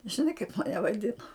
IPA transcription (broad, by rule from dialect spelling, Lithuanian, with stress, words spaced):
ʒʲɪˈnɐɪ kɐɪp mɐˈnʲɛ ʋɐˈdʲɪnoː